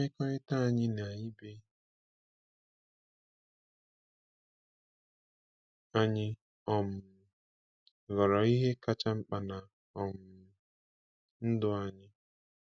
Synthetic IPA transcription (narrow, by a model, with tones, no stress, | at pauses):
ɪ˦kɔ˦ɾɪ˦ta˦a˨ɲɪ˦na˨ɲɪ˦be˦ | a˦ɲɪ˦ | ɔ˨m̩˨ | ɣɔ˨ɾɔ˨i˦ɦe˦ka˦t͡ʃa˦ŋ͡m̩˦k͡pa˨na˨ | ɔ˨m̩˨ | n̩˦dʊ˦a˨ɲɪ˦